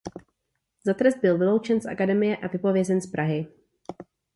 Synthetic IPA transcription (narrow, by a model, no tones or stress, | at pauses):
zat̪ɾɛsd̪̚bɪlvɪlo̞wt͡ʃɛnsʔa̰kadɛmɪjɛʔavɪpo̞vjɛzɛnspɾʔaɦɪ